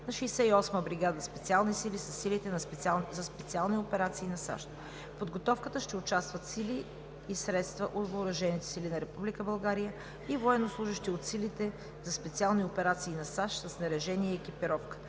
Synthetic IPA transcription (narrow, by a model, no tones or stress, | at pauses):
nɐʃɛsɛiɔsməbɾiɡad̪əspɛt̪sialˠnisilisɐsːilit̪ɛpzɐspɛt̪sialˠniopɛɾat̪siːnɐsa̰ʃt̪ | pod̪ɡot̪ɔfkət̪əʃt̪ɛʊt͡ʃast̪vət̪siliː | sɾɛt̪st̪vəʔot̪vəːɾɐʒɛnit̪ɛ̥silinɐɾɛpublikəbɐlˠɡaɾijə | ivoɛnoslˠuʒəʃt̪iot̪silit̪ɛ | zɐspɛt̪sialˠniopɛɾat̪siːnɐsaʃt̪sɐsnɐɾɛʒɛniɛɛkipiɾɔfkə̥